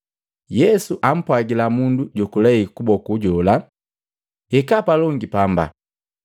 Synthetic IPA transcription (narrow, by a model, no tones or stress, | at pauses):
jɛsuʔam̩pwaɡilamunduɟɔkulɛikubɔkuɟɔla | ɛkapalɔŋɡipamba̰